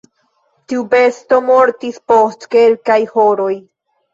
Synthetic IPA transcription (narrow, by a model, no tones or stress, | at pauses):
tiube̞sto̞moɾt̪ispostke̞lkajhoɾo̞j